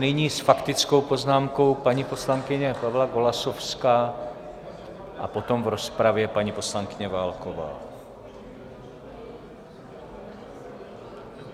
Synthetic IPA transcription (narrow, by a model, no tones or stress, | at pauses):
nɪɲiːsfakt̪ɪt͡sko̞wpo̞znaːmko̞wpaɲipo̞slaŋkɪɲɛpavlaɡo̞lasofskaː | ʔapo̞t̪omvɾo̞spɾavjɛpaɲiposlaŋkɪɲɛvaːlkova̰ː